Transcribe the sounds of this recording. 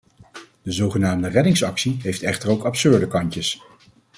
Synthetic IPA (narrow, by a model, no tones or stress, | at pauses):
d̥əzowχənaːmdərɛdɪŋsɑksiɦejftɛχtəɹowkɑpsøɹdəkɑɲcəs